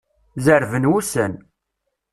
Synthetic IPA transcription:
zəɾvənwusən

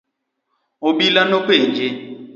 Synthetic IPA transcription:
oɓilanokeːnd͡ʒe

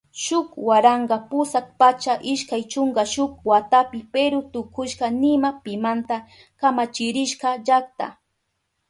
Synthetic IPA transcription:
ʃʊkwaɾɑɴɢɑpʊsak̚pat͡ʃaʔɪʃkajt͡ʃʊŋɡaʃʊk̚wat̪apɪpeɾʊt̪ʊkʊʃkɑnɪmapɪmant̪a | kamat͡ʃɪɾɪʃkɑʒak̚t̪a̰

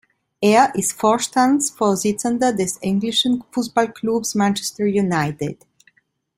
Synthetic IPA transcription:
ʔeːɐʔɪstfoːʃtãndsfɔɐzɪt͡səndədɛsɪŋɡlɪʃə̃nfutb̥ɔlkʰlubsmãnt͡ʃɛ̥stə˞junaɪtɪ̰d̥

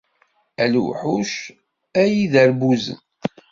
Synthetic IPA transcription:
ælṵħuʃ | æjiðəɾbuzə̰n

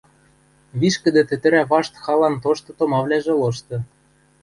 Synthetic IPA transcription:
βiʃkɘ̆d̪ĕt̪ɘ̆t̪ɘ̆ɾæβɑʃt̪xɑlɑnt̪oʃt̪ɤ̆t̪omɑβlæʒĕloʃt̪ɤ̆

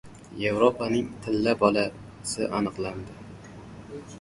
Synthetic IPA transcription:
jevɾopanɪŋt̪ʰɪlːabɒla | sɪʔanɨqlˠand̪ɪ

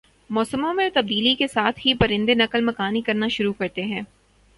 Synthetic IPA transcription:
mɔːsəmõmẽt̪ɐb̚d̪iːlikesaːt̪ʰɦipɐɾɪ̃nd̪enɐkəlmɐkaːnikɐɾnaʃʊɾukɐɾt̪eɦɛ̃ː

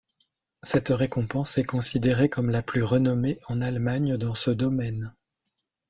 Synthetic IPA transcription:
sɛt̪ʁekɔ̃pɑ̃sɛkɔ̃sid̪eʁekɔmlaplyʁənɔmeʔɑ̃nalmaɲd̪ɑ̃səd̪ɔmɛn

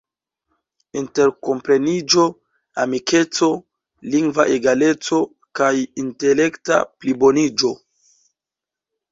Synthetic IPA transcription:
inte̞ɾko̞mpɾe̞nid͡ʒo̞ | amike̞t͡so̞ | liŋɡvaʔeɡale̞t͡so̞ | kajinte̞le̞kta̰plibo̞nid͡ʒo̞

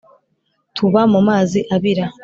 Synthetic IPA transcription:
tʰuβamumaːziʔaβiɾa

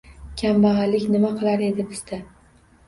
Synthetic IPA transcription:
kʲʰambaʁalɪkʲnɪmaqʰɨlˠaɾe̞d̪ɪbɪz̥d̪a

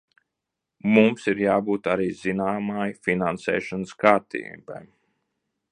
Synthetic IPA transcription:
mumsiɾjaːbuːt̪aɾiːzinaːmaːjfinansɛ̰ːʃanskaːɾt̪ḭːba̰j

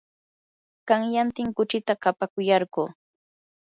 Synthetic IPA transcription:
ɢaŋjant̪ɪŋkʊt͡ʃɪt̪aɢapakʊjɑɾɢuː

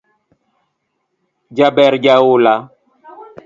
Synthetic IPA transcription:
d͡ʒabɛɾd͡ʒawola

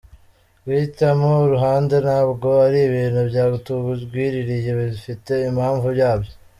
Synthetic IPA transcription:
witamoɾuɦaːnde̞nabɡo̞aɾiβiːnhubjaːɡutuβuɡwiːɾiɾije̞βifite̞imhaːɱvujaːbjo

